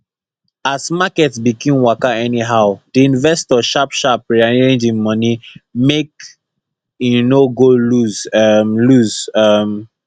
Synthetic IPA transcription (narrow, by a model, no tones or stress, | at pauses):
asmakɛtsbikʰĩmwakaɛniɦaʊd̥iĩnvɛstɔʃapʃap̚ɹaɹẽnd͡ʒĩnmʌnimek | junoɡoluzmluzʌm